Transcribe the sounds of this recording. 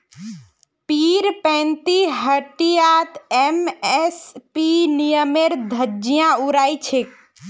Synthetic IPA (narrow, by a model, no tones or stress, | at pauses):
piɾpɛ̃nt̪iɦəʈijat̪emɛspinijəmeɾd̪ʱəd͡ʒijãuɾajt͡ʃʰek̚